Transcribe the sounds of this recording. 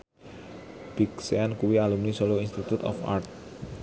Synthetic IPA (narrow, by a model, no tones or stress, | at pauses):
b̥iksɛankuwialumnisɔloinst̪it̪ut̪ɔ̰fa̰rt̪̚